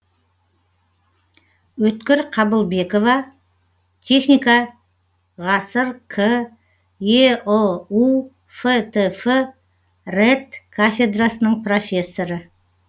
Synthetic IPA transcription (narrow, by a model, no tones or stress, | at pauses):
wɵt̪kʲɪɾqʰɑbəlˠbe̞ko̞vɑ | t̪ʲʰe̞χnijka | ʁɑsəɾkʰɪ | jeou | fet̪ʰefə | ret̪kʰafʲe̞d̪rasənəɴpro̞fʲe̞sːo̞ɾə